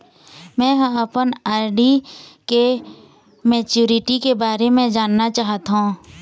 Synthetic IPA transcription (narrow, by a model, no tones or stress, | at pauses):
mɛ̃ːɦɐpənaːɾɖike | mɛːt͡ʃuːɾɪʈikebaːɾemẽd͡ʒaːnːat͡ʃaːɦt̪aɦũ